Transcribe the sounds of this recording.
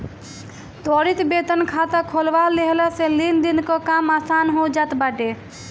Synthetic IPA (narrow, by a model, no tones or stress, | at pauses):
t̪ɔɾit̪bet̪ənkʰat̪əkʰolʋaleɦlaselind̪inkɔkamasanɦod͡ʒat̪baʈe